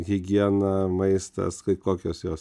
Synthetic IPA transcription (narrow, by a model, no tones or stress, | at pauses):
ɣʲɪɡʲɪɛnɐmɐɪst̪ɐ̰skɐɪkoːkʲoːsjoːs